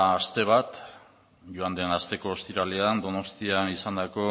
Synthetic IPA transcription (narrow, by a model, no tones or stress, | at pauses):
st̪e̞β̞at̪ | ʝuand̪e̞nast̪e̞ko̞ːst̪iɾaleand̪o̞no̞st̪ianisand̪ako̞